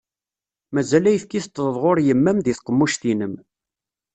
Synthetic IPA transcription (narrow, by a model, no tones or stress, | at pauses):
mæzælæjəfkiθt̪ːðəðˤʁoɾjəmːæmðiθqəmːuʃθinəm